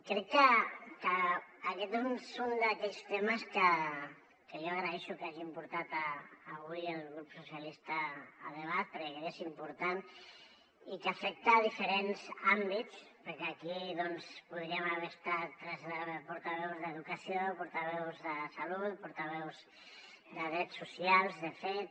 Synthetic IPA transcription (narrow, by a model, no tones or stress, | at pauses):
kɾɛkːəkəːkɛt̪ezunsund̪əkɛʎst̪eməskə | kəjoaɣɾəɛʃukaʒimpuɾt̪at̪əːβujəlˠɣɾupsusijəlist̪ə̰ːðəβat̪̚pəɾkekekesimpuɾt̪an | ikəfɛk̚t̪aːðifəɾenzambit̪t͡spəɾkɛakiðɔnspuðɾiəməβɛɾəst̪at̪ːɾɛzðəpuɾt̪əβɛwzðəðukəsiopuɾt̪əβɛwzðəsɐlut̪puɾt̪əβ̞ɛwz | d̪əðɾɛsːusialˠzðəfɛt̪